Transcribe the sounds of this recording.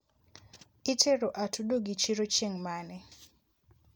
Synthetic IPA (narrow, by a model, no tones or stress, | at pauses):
itʰeɾoʔatʰudoɡit͡ʃiɾot͡ʃeŋmanɛ